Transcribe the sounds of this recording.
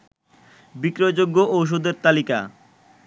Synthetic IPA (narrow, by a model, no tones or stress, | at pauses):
bikɾod͡ʑoɡːoʔowʃ̬od̪eɾt̪alika̰